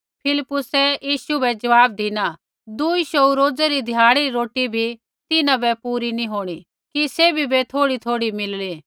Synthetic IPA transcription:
pʰɪlɪpːʊsɛjiːʃubɛd͡ʒɐʋaːb̚d̪ina | d̪uiʃouɾoːd͡zɛɾid̪ʱjaːɽ̃iɾiɾoːʈibʱi | t̪ɪnãbɛpuːɾinĩɦoːɽ̃i | kiseːbʱibet̪ʰoːɽit̪ʰoːɽimɪlliː

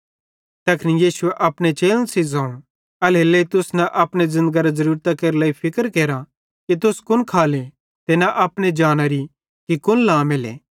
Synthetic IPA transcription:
t̪ɐkʰnijiːsʊeʔɐpɽ̃et͡ʃeːlənsizãːũ | ɐleleit̪ʊsnɐʔɐpɽ̃ezɪ̃nd̪əɡaɾazɐɾuːɾt̪akeːɾlaːipʰɪkəɾkeːɾa | kit̪̬ʊskʊnkʰaːle | t̪enaʔɐpɽ̃ed͡ʒaːñaɾi | kikʊnlãːmelḛː

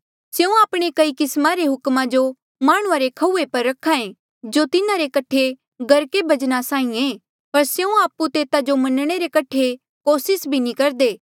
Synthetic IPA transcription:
seũaːpɽ̃ekɐikɪsmaɾeɦʊkmãd͡ʒo | maːɽ̃ʊ̃aɾekʰɐuːepɐɾːɐkʰːãẽ | d͡ʒot̪ɪnãɾekɐʈʰe | ɡɐɾkebʱɐd͡ʒnasãːĩẽː | pɐɾseũaːpːut̪eːt̪ad͡ʒomɐnɽ̃eɾekɐʈʰe | koːsɪsbʱinĩkɐɾd̪eː

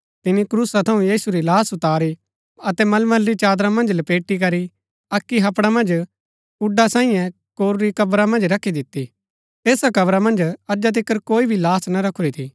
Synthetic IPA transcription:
t̪ɪnikɾuːsat̪ʰɐũjiːsuɾilaːsʊt̪aːɾi | ɐt̪ɛmɐlməlːit͡ʃaːd̪ɾamɐ̃nd͡ʒlɐpeːʈːik̬ɐɾi | ɐkːiɦɐpɽamɐ̃nd͡ʒ | ʊɖːasãːĩjɛ̃ | koːɾːikɐbɾamɐ̃nd͡ʒɾɐkʰːid̪ɪt̪ːi | eːsakɐbɾamɐ̃nd͡ʒɐd͡ʒat̪̬ɪkːəɾkoːibʱilaːsnaɾɐkʰːʊɾit̪ʰiː

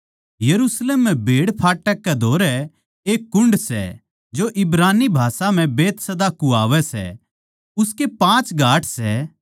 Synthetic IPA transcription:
jɐɾusleːmːɛ̃bʱeːɽpʰaːʈːəkːɛd̪ʱoːɾɛ | eːkːʊɳɖsɛ̰ | d͡ʒoʔɪbɾaːnibʱaːsam̤ɛ̃beːt̪sɐd̪akuaːʋɛsɛ̰ | ʊskepãːt͡ʃɡʱaːʈʰsɛ

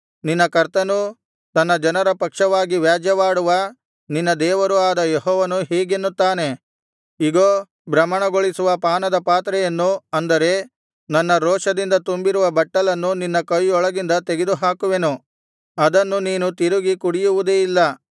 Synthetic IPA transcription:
ninːɐkɐɾt̪ɐnu | t̪ɐnːɐd͡ʒɐnɐɾɐpɐkʂɐʋaːɡiʋjaːd͡ʒjɐʋaːɽuʋɐ | ninːɐd̪ɛːʋɐɾuaːd̪ɐjeɦɔːʋɐnuɦeːɡenːut̪ːaːne̞ | iɡoː | bɾɐmːɐɳɐɡoɭisuʋɐpaːnɐd̪ɐpaːt̪ɾɛjɐnːuɐnd̪ɐɾe̞ | nɐnːɐɾɔːʂɐd̪ind̪ɐt̪umbiɾuʋɐbɐʈːɐlɐnːuninːɐkɐjɔɭɐɡind̪ɐt̪eɡed̪uɦaːkuʋe̞nu | ɐd̪ɐnːuniːnut̪iɾuɡikuɽijuʋud̪eːilːɐ

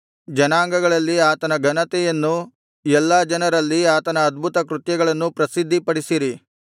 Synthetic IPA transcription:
d͡ʒɐnaːŋɡɐɡɐɭɐlːiaːt̪ɐnɐɡʱɐnɐt̪ɛjɐnːu | ɛlːaːd͡ʒɐnɐɾɐlːiaːt̪ɐnɐːd̪̚bʱut̪ɐkɾut̪jɐɡɐɭɐnːupɾɐsid̪ʱːipɐɽisiɾi

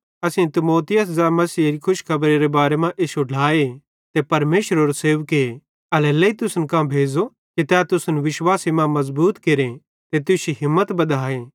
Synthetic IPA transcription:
ɐsẽt̪ɪmoːt̪ɪjəszɛmɐsiːɾikʰʊʃkʰɐbɾeɾebaːɾemãʔesoɖʱaːe | t̪epɐɾmeːʃɾoːɾoseːʋke | ɐlɛleit̪ʊsnkãbʱeːd͡zo | ket̪ɛt̪ʊsnʋɪʃwaːsemãmɐzbuːt̪keɾe | t̪et̪ʊʃiɦɪmːət̪bɐd̪ʱaːe

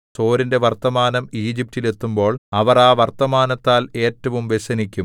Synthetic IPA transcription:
so̞ːɾinde̞ʋɐrt̪ːɐmaːnɐmiːd͡ʑip̚tile̞t̪ːumbo̞ːɭɐʋɐraːʋɐrt̪ɐmaːnɐt̪ːaːle̞ːtːɐʋumʋeɕɐnikʲːum

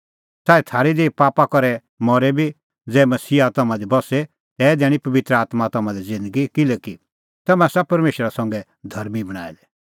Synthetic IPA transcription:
saːit̪ʰaːɾid̪eːpaːpakɔɾɛ | mɔɾɛbʱi | d͡zɛːmɐsiːat̪ɐmãd̪ibɔsɛ | t̪ɛːd̪ɛːɽ̃ipɐʋɪt̪ɾəaːt̪mat̪ɐmãd̪id͡zɪ̃nd̪əɡikɪlɛki | t̪ɐmɛ̃sapɐɾmeːʃɾasɐ̃ŋɡɛ | d̪ʱɐɾmibɐɽ̃a̰ːid̪ɛ

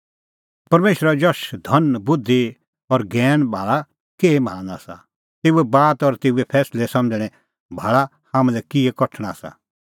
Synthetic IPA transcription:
pɐɾmeːʃəɾad͡ʒɔʃd̪ʱɐnbʊd̪ʱːi | ɔɾɡɛːñbʱaːɭa | keːmãːaːsa̰ | t̪eːuɛbaːt̪ɔɾt̪eːuɛpʰɛːslɛsɐ̃md͡ʒɽ̃ɛ̃ | bʱaːɭa | hãːmɛ̃lɛkɪɛkɔʈʰɽ̃asa̰

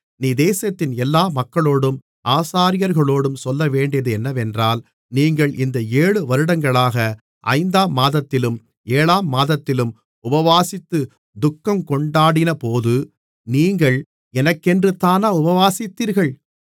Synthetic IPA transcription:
niːd̪eːsɐt̪ːɪnɛlːaːmɐkːɐɭoːɽɯm | ʔaːsaːɾɪjɐɾɣɐɭoːɽɯmsɔlːɐʋeːɳɖɪjɐðɯɛnːɐʋɛndraːl | niːŋɡɐɭʔɪnd̪ɐeːɭɯʋɐɾɯɽɐŋɡɐɭaːɣɐ | ʔɐ̰ɪnd̪aːmːaːðɐt̪ːɪlɯm | eːɭaːmːaːðɐt̪ːɪlɯm | ʊbɐʋaːsɪt̪ːɯ | d̪ʊkːɐmkɔɳɖaːɽɪnɐpoːðɯ | niːŋɡɐɭ | ɛnɐkːɛndrɯt̪ːaːnaːʊbɐʋaːsɪt̪ːiːɾɣɐɭ

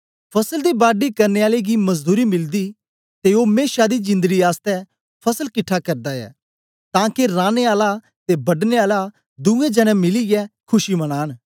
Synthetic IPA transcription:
pʰɐsəld̪ibaːɖikɐɾneaːleɡimɐzd̪uːɾimɪld̪i | t̪eoːmeːʃad̪id͡ʒɪ̃nd̪əɡiaːst̪ɛ | pʰɐsəlkɪʈʰːakɐɾd̪aɛ̰ː | t̪ãːkeɾãːneaːla | t̪ebɐɖneaːla | d̪ʊ̃ɛ̃d͡ʒɐnɛ̃mɪlijɛkʰʊʃimɐɽ̃aːɽ̃

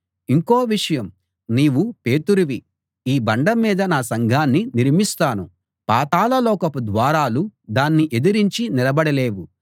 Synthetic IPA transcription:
iŋkoːʋiʂɐjɐm | niːwupeːt̪uɾuʋi | iːbɐɳɖɐmːiːd̪ɐnaːsɐŋɡʱaːnːiniɾmist̪aːnu | paːt̪aːlɐlɔːkɐpud̪ʋaːɾaːlud̪aːnːiʔe̞d̪iɾiɲt͡ʃinilɐbɐɽɐle̞ːʋu

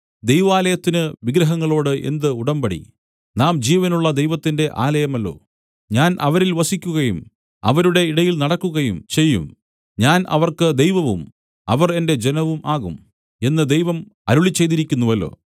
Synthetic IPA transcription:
d̪ejʋaːlɐjɐt̪ːinɨʋiɡɾɐɦɐŋːɐɭo̞ːɽɨʔe̞̰nd̪ɨuɽɐmbɐɽḭ | naːmd͡ʑiːʋɐnuɭːɐd̪ejʋɐt̪ːinde̞ʔaːlɐjɐmɐlːo̞̰ː | ɲaːnʔɐʋɐɾilʋɐsikʲːuɣɐjum | ɐ̰ʋɐɾuɽe̞iɽɐjilnɐɽɐkːuɣɐjumt͡ɕe̞jːṵm | ɲaːnʔɐ̰ʋɐrkɨd̪ejʋɐʋum | ɐʋɐre̞nde̞d͡ʑenɐʋumʔaːɣum | e̞nːɨd̪ejʋɐmɐɾuɭit͡ɕːe̞jðiɾikʲːunːuʋɐlːo̞̰ː

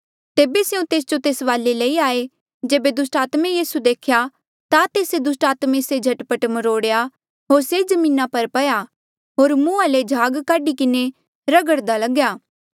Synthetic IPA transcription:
t̪eːbeseũt̪eːs̬d͡ʒot̪eːsʋaːlːeleiaːe | d͡ʒeːbed̪ʊsʈaːt̪mẽjiːsud̪eːkʰja | t̪at̪eːsed̪ʊsʈaːt̪mẽsed͡ʒʱɐʈpəʈməɾoːɽja | ɦoːɾsed͡ʒɐmĩːnapɐɾpɐja | ɦoːɾmũːaled͡ʒʱaːɡkaːɖikɪne | ɾɐɡəɽd̪alɐɡjaː

